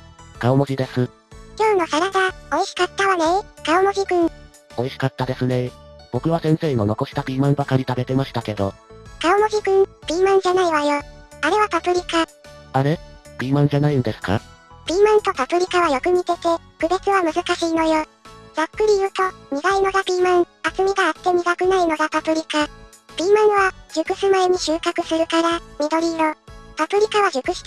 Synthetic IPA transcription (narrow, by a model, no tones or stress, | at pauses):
kaomo̞ʑid̪e̞sɨ | kʲo̞ːno̞saɾaɡao̞iɕi̥kat̪ːaβanekaomoʑʲikɯ̟̃ɴ | o̞iɕi̥kat̪ːad̪e̞sɨne̞b̥o̞kɯ̟βasẽɰ̃se̞ːno̞no̞ko̞ɕi̥t̪abʲiːmãmbakaɾʲit̪abe̞t̪e̞maɕi̥t̪ake̞d̪o̞kaomo̞ʑʲiɡɯ̟̃nbʲiːmãn̟d͡ʑanaiβajoaɾe̞βapapɯ̟ɾʲika | aɾe̞b̥ʲiːmã̟d͡ʑanaĩnd̪e̞sɨ̥ka̰b̥ʲiːmãnt̪o̞papɯ̟ɾʲikaβajo̞kɯ̟mike̞t̪e̞ | kɯ̟bet͡sɨβamɯ̟zɨkaɕiːno̞joː | z̥akːɯ̟ɾʲijɯ̟ːt̪o̞ɲiɡaino̞ɡabʲiːmãɰ̃at͡sɨmʲiɡaːt̪ːe̞ɲ̟iɡakɯ̟naino̞ɡapapɯ̟ɾʲika | b̥ʲiːmãɰ̃βaʑ̥ɨkɯ̟sɨmaeɲ̟iɕɨːkakɯ̟sɨɾɯ̟kaɾamed̪o̞ɾʲiɾopapɯ̟ɾʲikaβaʑɨkɯ̟ɕ